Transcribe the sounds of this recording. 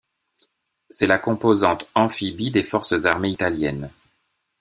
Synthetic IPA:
sɛlakɔ̃pozɑ̃t̪ɑ̃fibid̪efɔʁsəzaʁmeit̪aljɛn

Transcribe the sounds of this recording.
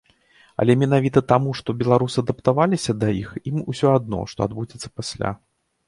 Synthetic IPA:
ɐ̰lʲɛmʲɛnavʲit̪ɐt̪amuʂt̪ɔbʲɛlˠaɾusɨɐd̪ɐpt̪avalʲisʲɐd̪ɐjiximusʲɔad̪̚nɔ̰ʂt̪ɔ̰ad̪bud͡zʲɛt̪sːɐ̥pasʲlʲa̰

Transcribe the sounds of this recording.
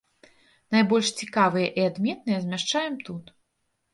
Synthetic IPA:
najbɔlʲʂt͡sʲikavɨjɐʔiad̪mʲɛt̪̚nɨjɐzʲmʲaʂt͡ʂajɛmt̪ut̪

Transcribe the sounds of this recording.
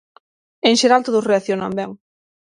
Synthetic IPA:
eŋʃeɾalt̪oðʊsreaθjonambɛŋ

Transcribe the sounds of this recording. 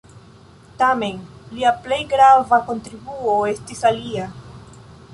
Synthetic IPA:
tame̞nliaple̞jɡɾavako̞ntɾibuo̞e̞stisalia

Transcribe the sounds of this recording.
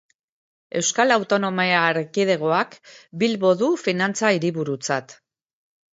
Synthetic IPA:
e̞wskalawt̪o̞no̞meaːɾkiðe̞ɣ̞o̞akbilβo̞ðufinant͡saiɾiβuɾut͡sat̪

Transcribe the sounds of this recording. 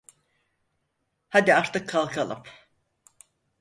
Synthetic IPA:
had̪iaɾt̪ʰɯkʰːalˠkʰalˠɯ̰p

